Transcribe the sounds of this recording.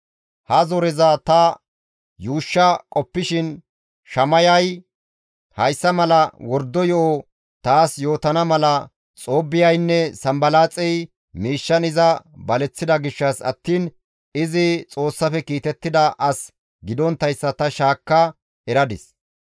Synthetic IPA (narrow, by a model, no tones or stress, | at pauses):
hɐzɔɾɛzɐt̪ɐ | juːʃːɐkʼɔpːɪʃɪn | ʃɐmɐjɐj | hɐjsːɐmɐlɐwɔɾd̪ːɔjɔʔɔ | t̪aːsjo̞ːt̪ɐnɐmɐlɐ | t͡sʼoːbːɪjɐjnːɛsɐmbɐlaːt͡sʼɛj | miːʃːɐnɪzɐbɐlɛt͡sːɪd̪ɐɡɪʃːɐsɐ̰t̪ːiːn | ɪzɪt͡sʼo̞ːsːɐfɛkiːt̪ɛt̪ːɪd̪ɐʔɐs | ɡɪd̪ɔnt̪ːɐjsːɐt̪ɐʃaːkːɐ | ɛɾɐd̪ɪs